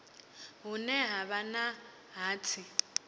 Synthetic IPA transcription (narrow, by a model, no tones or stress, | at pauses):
ɦʊnɛɦaβana | ɦaːt͡sʰɪ